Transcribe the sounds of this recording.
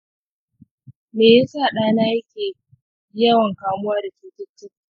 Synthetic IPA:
meː˨je˦sa˦˨ɗaː˦naː˦jɐ˦kʲeː˨ | jɐ˦wɐ˨ŋkaː˨mʊ˦waː˦da˨t͡ʃiː˦tɪ˦tːɪ˦k

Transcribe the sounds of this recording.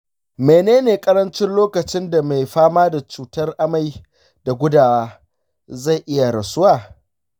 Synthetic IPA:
meː˨neː˦neː˨kʼɐ˦ɾɐ˦nt͡ʃɪ˦nloː˦kɐ˨t͡ʃɪ˦nda˨ma˨jɸaː˦maː˦da˨t͡ʃuː˨tɐ˦rʔa˦ma˨j | da˨ɡʷʊ˦daː˨waː˦ | za˦˨ʔɪ˦ja˨ɾɐ˨sʊ˦waː˨

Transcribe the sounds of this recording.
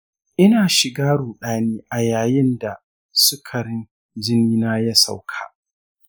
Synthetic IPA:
ʔɪ˦naː˨ʃɪ˨ɡaː˦ɽuː˨ɗaː˦neː˦ʔa˨jaː˨jɪ˦nda˨ | sʊ˦kʰɐ˨ɾɪ˦n | d͡ʒɪ˦niː˦naː˦jɐ˦sa̰˦˨wkʰa̰ː˨

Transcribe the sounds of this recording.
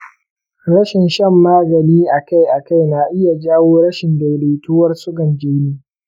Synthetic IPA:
ɾɐ˦ʃɪ˨nʃɐ˦mːaː˦ɡɐ˨niː˦ʔa˨ka˦jʔa˨ka˦˨jna˨ʔɪ˦ja˨d͡ʒaː˦woː˦ɽɐ˦ʃɪ˨ndɐ˨jleː˨tuː˦wɐ˦rsʊ˦ɡɐ˨nd͡ʒeː˦niː˦

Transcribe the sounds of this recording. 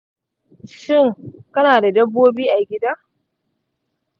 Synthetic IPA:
ʃɪ˦˨ŋkɐ˦naː˨da˨dɐ˦bːoː˦biː˦ʔa˨ɡʲɪ˦daː˦

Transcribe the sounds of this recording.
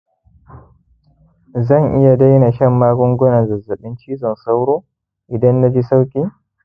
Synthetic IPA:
zɐ˦˨ŋʔɪ˦ja˨da˦jna˨ʃɐ˦˨mːaː˦ɡʷʊ˦ŋɡʷʊ˦nɐ˨zɐ˨zːɐ˨ɓɪ˦nt͡ʃiː˦zɐ˨nsa˦wɽoː˦ | ʔɪ˨dɐ˦nːa˦d͡ʒi˦sa˦wkʲʼiː˦

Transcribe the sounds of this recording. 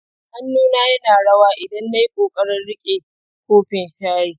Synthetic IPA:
ʔa˦nːuː˦naː˦jɐ˦naː˨ɽɐ˦waː˦ʔɪ˨dɐ˦nːa˦ji˦kʼoː˨kʼɐ˦ɽɐ˦nɽɪ˦kʲʼeː˨ | kʷoː˦ɸɪ˨nʃaː˦ɽiː˨

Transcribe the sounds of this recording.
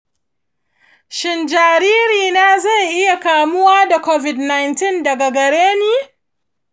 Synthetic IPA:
ʃɪ˨nd͡ʒaː˨ɾiː˦ɾiː˨naː˦za˦˨jʔɪ˦ja˨kaː˨mʊ˦waː˦da˨kʷo˦vɪ˨dna˨jntɪ˦ndɐ˨ɡa˨ɡɐ˨ɽeː˦niː˦

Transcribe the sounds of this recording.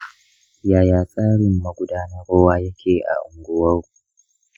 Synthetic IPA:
jaː˨jaː˨sʼaː˦ɽɪ˨mːɐ˨ɡʷʊ˦daː˦nɐ˦ɾoː˦waː˦jɐ˦kʲʰeː˨ʔa̰˨ʔʊ˨ŋɡʷʊ˦wɐ˦w

